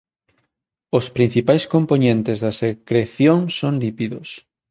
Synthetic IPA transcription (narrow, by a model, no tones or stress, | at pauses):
ospɾin̟θipajskomponẽnt̪ezðɐsekɾeθjoŋsonlipiðos